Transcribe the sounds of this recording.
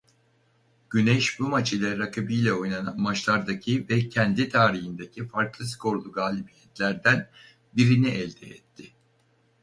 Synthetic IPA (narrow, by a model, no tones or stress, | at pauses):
ɟ̥ynɛʃbumat͡ʃʰilʲɛɾakʰabijlʲɛo̞jnanamat͡ʃlˠaɾd̪acʰivɛcʰɛnd̪it̪ʰaːɾiɦind̪ecʰifaɾklˠɯs̬kʰo̞ɾlˠuɡaːlʲibijɛt̪lʲæɾd̪æn | biɾiniʔɛlʲd̪ɛ̰ɛ̰t̪ʰːɪ